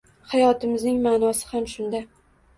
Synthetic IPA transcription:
hajɒt̪ɪmɪznɪŋmaːnɒsɪ̥hamʃʊnd̪a

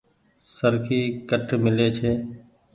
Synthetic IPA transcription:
səɾkʰiːkəʈʰmɪleːt͡ʃʰeː

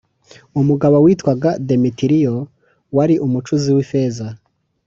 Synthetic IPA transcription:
umuɡaβowiːtkwaɡade̞mitiɾijo | waɾiʔumut͡ʃuziwife̞ːza

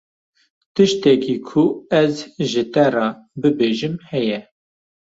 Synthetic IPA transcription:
t̪ɨʃt̪ɛkikʰuɛzʒɪt̪ɛrɑ | bɨbeːʒɨmhɛjɛ

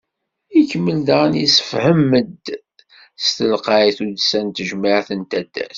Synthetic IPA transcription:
ikːməld̪ʁnjisə̥fhəmːəd̪ | st̪əlqɑθud̪sænt̪əʒmiʕθənt̪æd̪ːæ̰s

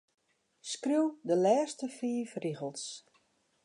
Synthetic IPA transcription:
skriwdəlɛːstəfiːfriɣəlˠs

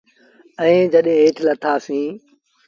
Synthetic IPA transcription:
ɛ̃ːd͡ʒəɗɦẽːɦeːʈʰlət̪ʰaːsĩː

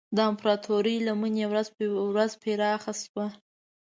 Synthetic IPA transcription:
d̪əɪmpɾɑt̪ʰoɾəjlamənewɾazwɾazpʰeɾɑːxəst̪̚wa

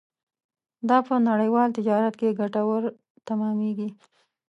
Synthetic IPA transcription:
d̪ɑpənaɽəjwɑlt̪ɪd͡ʒɑɾat̪keɡaʈawəɾ | t̪amɑmeɡi

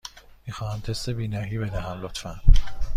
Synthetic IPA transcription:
miːxɒːhæmt̪ʰe̞st̪ebiːnæɦiːbed̪æɦæmlot̪fæn

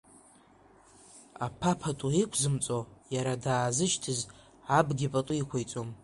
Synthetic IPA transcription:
apʰapʰatʼuikʷʰzɨmt͡sʼojaɾadaːzɨʃtʰɨz | ʕabɡʲipʼatʼuikʷʰajt͡sʼom

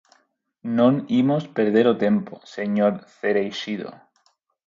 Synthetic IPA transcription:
nõnimospeɾð̞eɾot̪emposeɲoɾθeɾejʃiðo̰

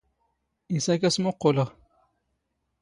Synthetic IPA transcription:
isæk̬æsmʊqːoləʁ

